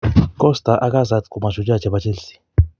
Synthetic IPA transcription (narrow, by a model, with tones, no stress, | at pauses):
kʼɔ˦sta˨ʔa˦k̬ʼa˦za˨tkʼu˨ma˨ʒu˨d͡ʒa˦t͡ʃɛ˨ɓat͡ʃʼe˦lsi̥˦